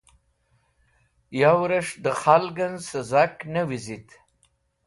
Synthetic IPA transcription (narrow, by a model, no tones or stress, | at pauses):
jawɾəʂd̪əχalɡanzsəzaknawizit̪